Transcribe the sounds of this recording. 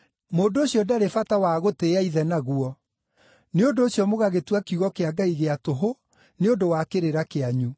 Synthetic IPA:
moːndooɕjɔdaɾefatawaɣoteaiðɛnaɣuɔ | neondoːɕjɔmoɣaɣetwakiuɣɔkeaɡaiɣeatoɦo | neondowakeɾeɾakeaɲu

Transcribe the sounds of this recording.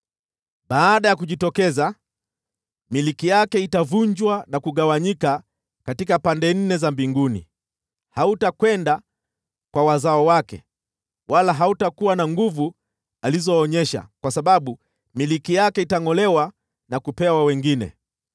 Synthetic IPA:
ɓaːɗajakuʄitɔkɛza | milikijakɛitavuɲd͡ʒwanakuɠawaɲika | katikapandɛn̩nɛzambiŋɡunḭ | hautakwɛnda | kwawazaɔwakɛ̰ | walaɦautakuwanaŋɡuvu | alizɔːɲɛʃa̰kwasaɓaɓu | milikijakɛitaŋɔlɛwa | nakupɛwawɛŋɡinɛ̰

